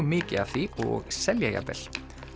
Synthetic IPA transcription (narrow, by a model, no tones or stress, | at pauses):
mɪːcɪav̥θiɔɣsɛljaja̰pɛl